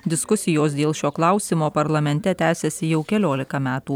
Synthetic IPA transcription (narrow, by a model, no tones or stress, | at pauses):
d̪ʲɪskʊsʲɪjoːsd̪ʲeːlˠʃʲoːklˠɐˑʊsʲiːmoːpɐɾlˠɐmʲɛnʲt̪ʲɛt̪ʲæːsʲɛsʲɪjɛʊkʲɛlʲoːlʲɪkɐmʲæːt̪uː